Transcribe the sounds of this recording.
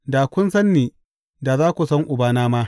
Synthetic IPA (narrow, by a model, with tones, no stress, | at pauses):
da˨kʷʊ˦nsɐ˦nːiː˨ | da˨zaː˦kʷu˨sɐ˦ŋʔʊ˨baː˦naː˦maː˦